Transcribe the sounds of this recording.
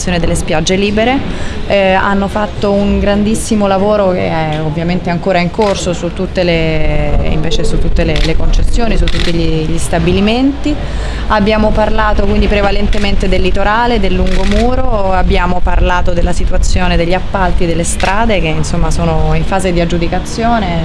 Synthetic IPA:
sjoːned̪elːespjad͡ʒːeliːbeɾe | a̰nːofat̪ːouŋɡɾand̪isːimolavoːɾokḛɛ | ovːjament̪eaŋkoːɾaiŋkorsosut̪ːut̪ːele | ḭɱveːt͡ʃesut̪ːut̪ːelelekont͡ʃesːjoːnisut̪ːut̪ːiʎiʎist̪abiliment̪i | abːjaːmoparlaːt̪okwind̪ipɾevalent̪ement̪ed̪elːit̪oɾaːled̪elːuŋɡomuːɾoabːjaːmoparlaːt̪od̪elːasit̪uat̪sːjoːned̪eʎːiapːalt̪id̪elːest̪ɾʔaːd̪ek̟einsomːasoːnoiɱfaːzed̪iad͡ʒud̪ikat̪sːjoːne

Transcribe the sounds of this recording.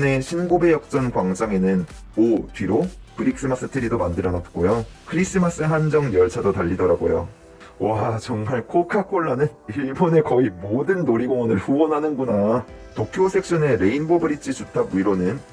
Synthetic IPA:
ne̞ɕʰinɡobe̞jʌk̚t͡ɕ͈ʌnkwaŋd͡ʑaŋe̞nɯn | otɥiɾopɯɾik̚s͈ɯmas͈ɯtʰɯɾidomandɯɾʌnat̚k͈ojokʰɯɾis͈ɯmas͈ɯɦand͡ʑʌŋjʌɭt͡ɕʰadotaʎːidʌɾaɡojo̰ | wat͡ɕʌŋmaɭkʰokʰakʰoɭːanɯnibʌne̞kʌimodɯnːoɾiɡoŋʌnɯɭɸuwʌnɦanɯnɡunatokʰjosʰe̞k̚ɕ͈ʌne̞ɾe̞inbobɯɾit͡ɕʰit͡ɕutʰabuiɾonɯn

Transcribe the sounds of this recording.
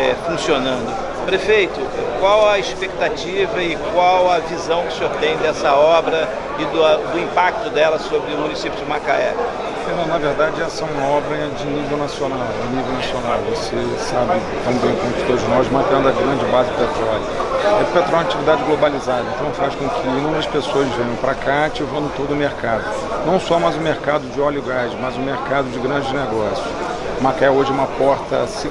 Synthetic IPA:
ɛfũsionɐ̃nd̪ʊ | pɾefejt̪ʊɛkwawɐiʃpek̚t̪at͡ʃivɐɪkwawɐvizɐ̃w̃kɪ̥sɪoɾt̪ẽj̃d̪ɛsɐɔbɾɐ | ɪd̪ɐd̪ʊĩmpak̚t̪ʊd̪ɛlɐsobɾɪʊmũnisipjʊd͡ʒɪmaka̰ɛ̰ | finɐ̃nɐveɾd̪ad͡ʒɪɛlɐsɐ̃w̃ũmɐɔbɾɐ | d͡ʒɪnivewnasionawd͡ʒɪnivewnasionawvose | sabɪ | t̪ɐ̃b̪ẽk̪õt̪ɾɪ̥t̪od̪ʊzɪnɔzumapiɐ̃d̪ʊɐɡɾɐ̃nd͡ʒɪbazɪd͡ʒɪpet̪ɾɔlʊɛʊpet̪ɾɔlunat͡ʃivid̪ad͡ʒɪɡlobalizad̪ɐẽnt̪ɐ̃w̃faskõkʰɪ̃nũmeɾɐʃpesoɐzvẽɲɐ̃w̃pɾakat͡ʃivɐ̃w̃d̪ʊt̪od̪ʊmeɾkad̪ʊ | nɐ̃w̃sɔmajzʊ̃meɾkad̪ʊd͡ʒɪɔlʊɡad͡ʒɪmɐzʊ̃meɾkad̪ʊd͡ʒɪɡɾɐ̃d͡ʒɪneɡɔsjʊ̥ | makaɛoʒɛũmɐpɔɾt̪ɐ̰si

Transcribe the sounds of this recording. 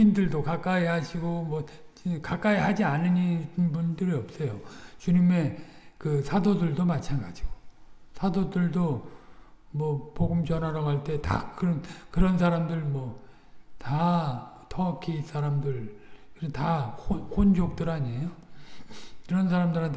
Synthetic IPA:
indɯɭdokak͈aihaɕʰiɡomwʌ | t͡ɕikak͈aiɦad͡ʑianɯɲinbundɯɾiʌp̚s͈ʌjot͡ɕuɲime̞ | kɯsʰadodɯɭdomat͡ɕʰanɡad͡ʑiɡ̥o̥sʰadodɯɭdo | mwʌpoɡɯmt͡ɕʌnɦaɾʌɡɦaɭt͈e̞ta̰kɯɾʌnkɯɾʌns̬ʰaɾamdɯɭmwʌ | ta | tʰʌkʰiis͈aɾamdɯɭkɯntaohond͡ʑok̚t͈ɯɾaɲejo | kɯɾʌnsʰaɾamdɯɾɦantʰ

